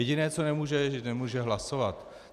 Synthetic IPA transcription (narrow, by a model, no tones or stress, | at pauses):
ɛɟɪnɛːt͡sonɛmuːʒɛnɛmuːʒɛɦlasovat̪